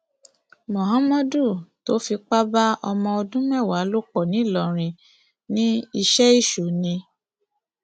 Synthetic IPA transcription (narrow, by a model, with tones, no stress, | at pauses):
mɔ̃˨ɦã˦mɔ̃˦du˦˨to˨˦fi˧k͡pa˦ba˦ɔ˧mɔ̃˧o˧dũ˦mɛ˦˨wa˨˦lo˦k͡pɔ˨nĩ˨˦˨lɔ˨ɾ̃ĩ˧ | nĩ˦i˧ʃɛ˦i˦˨ʃo˨˦nĩ˧